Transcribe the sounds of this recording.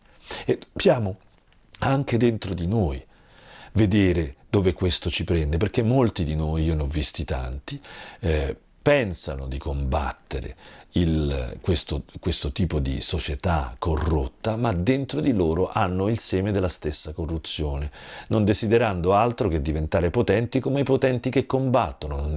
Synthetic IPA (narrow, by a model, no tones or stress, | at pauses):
epjaːmo | aŋk̟ed̪ent̪ɾod̪inoːj | ved̪eːɾed̪̥oːvekwest̪ot͡ʃipɾɛnd̪eperk̟emːolt̪id̪inoːjionɔvːist̪it̪a̰nt̪i | pɛnsanod̪ikomba̰t̪ːeɾḛilkwest̪okwest̪ot̪iːpod̪ḭsot͡ʃet̪akːorːot̪ːamad̪ent̪ɾod̪iloːɾoʔanːoilsɛːmed̪elːast̪esːakorːut̪sːjoːnenond̪ezid̪eɾand̪oalt̪ɾok̟ed̪ːivent̪aːɾepot̪ɛnt̪ikomeipot̪ɛnt̪ikekːombat̪ːono